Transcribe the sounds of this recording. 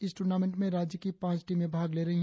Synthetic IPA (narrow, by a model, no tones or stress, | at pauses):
ɪsʈuːɾnaːmẽɳʈmẽɾaːd͡ʒjəkipãːt͡ʃʈimẽbʱaːɡleːɾɐɦiɦ